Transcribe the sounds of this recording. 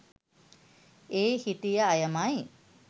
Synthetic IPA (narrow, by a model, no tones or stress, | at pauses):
eːhit̪ijəajəmaj